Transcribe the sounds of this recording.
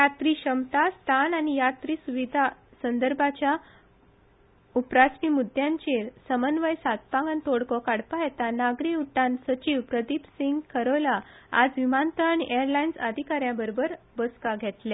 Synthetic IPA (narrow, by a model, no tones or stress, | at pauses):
jat̪ɾiɕəmt̪ast̪ʰananijat̪ɾiːsuʋid̪ʱasənd̪əɾbʱat͡ɕja | upɾasmimud̪ʱjãɲt͡ɕeɾsəmənʋəjsat̪̚pãŋɡant̪oɽkɔkaɽpaɛt̪anaɡɾiuʈːãnsət͡ɕiʋpɾəd̪ipsiŋɡkʰəɾəlaa̰d͡zʋimant̪əɭəɳeəɾlainsəd̪ʱikaɾjãbəɾobəɾ | bəskaɡʱɛt̪lɛ